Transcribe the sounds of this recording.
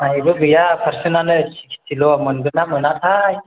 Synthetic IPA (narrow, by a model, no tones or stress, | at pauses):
maibɯbɯjapʰəɾsɯnanɯsʰi̥kʰi̥t̪ʰilɔamɯnɡɯnamɯnat̪ʰaj